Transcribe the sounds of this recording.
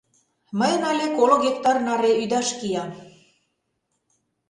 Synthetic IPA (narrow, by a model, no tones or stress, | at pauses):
məjənɑlʲekoloɣʲek̚t̪ɑrnɑɾeyd̪ɑʃkijɑ